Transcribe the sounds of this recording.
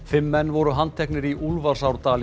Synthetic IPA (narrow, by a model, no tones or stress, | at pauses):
fɪmːɛnːvɔɾʏɦant̪ʰɛknɪɾiʔulvaɾ̥sawɾt̪aːl